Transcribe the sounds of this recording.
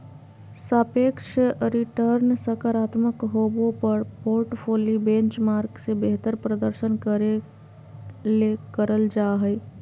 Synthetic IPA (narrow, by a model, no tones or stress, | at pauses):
səpekʃɾiʈəɾnsəkaɾat̪məkɦobopəɾpoɾʈpʰolibẽnt͡ʃmaɾksẽbeɦt̪əɾpɾəd̪əɾsənkəɾe | lekəɾəld͡ʒaɦəɪ